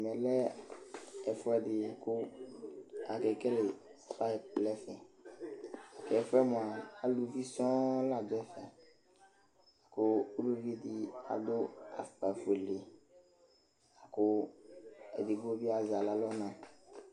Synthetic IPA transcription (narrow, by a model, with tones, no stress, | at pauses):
mɛ̃˨lɛ˦ | ɛ˨fɔ˦ɛ˨dɪ˨kʊ˦ | a˨kɛ˨kɛ˦le˨ | sfa˦i˨plɛ˦fɛ̃˨ | a˨kɛ˨fɛ˦mɔ̃˨a˨a˦lu˨vi˦sɔ̃˦la˨d͡ʒɛ˦fɛ˨ | a˨kʊ˦u˦lo˦ɾi˦e˦di˦a̰˨do˦a̰˨fta˨fe˨le˨ | a˨kʊ˦ | ɛ˨di˨ɡo˦bi˦a˦˨za˨la˨lɔ˦nã˨